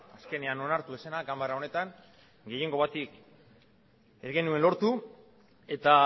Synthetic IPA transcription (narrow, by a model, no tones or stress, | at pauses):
aske̞ne̞ano̞naɾt̪uesenakambaɾao̞ne̞t̪aŋ | ɡe̞je̞ŋɡo̞β̞at̪ik | ezɣe̞nue̞nlo̞ɾt̪u | e̞t̪a